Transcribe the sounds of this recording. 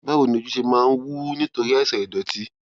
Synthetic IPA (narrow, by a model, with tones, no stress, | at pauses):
ba˦wo˦˨nĩ˧o˧d͡ʒu˦ʃe˧mãː˦˧n̩˦wu˦nĩ˦to˧ɾi˦a˦˨sɛ˨ɾɛ˨dɔ˨ti˦